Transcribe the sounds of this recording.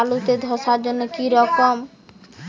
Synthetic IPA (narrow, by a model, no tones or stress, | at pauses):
lut̪ed̪ʱoʃaɾd͡ʑonːokiɾɔkom